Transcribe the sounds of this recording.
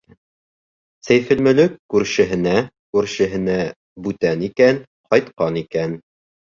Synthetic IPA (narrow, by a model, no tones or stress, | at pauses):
sæjfɘ̆lmɘ̆lɘkːʉɾʃɘ̆ɦɘ̆næ | kʉɾʃɘ̆ɦɘ̆næ | bʉt̪ænikæn | qɒjt̪qɑnikæn